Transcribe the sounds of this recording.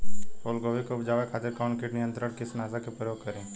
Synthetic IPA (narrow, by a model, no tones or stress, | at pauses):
oːlɡoːʋikopʰd͡ʒaːʋekʰaːt̪ɪɾkaːnkɪʈnɪjə̃nt̪ɾəɾkɪsnaːzakepɾəjoːɡ̚kəɾẽː